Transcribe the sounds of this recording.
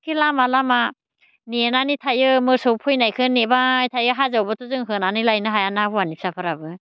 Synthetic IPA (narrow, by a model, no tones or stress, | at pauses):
kʰilamalama | nenanitʰajɯmɯsɔwpʰɔjnajkʰɯnebajtʰajɯɦazawbatʰozɯŋɦɯnanilajnɯɦajanabwanip̚sapʰɯɾabɯ